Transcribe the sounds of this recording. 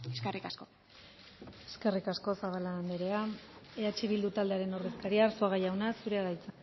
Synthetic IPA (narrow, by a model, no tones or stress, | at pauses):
eskerikasko | e̥ske̞rikasko̞saβalaːnd̪eɾe̞aeat͡ʃiβ̞ild̪ut̪ald̪eaɾe̞no̞re̞skaɾiaːɾsoaɣajawnasuɾe̞aɾajt͡sa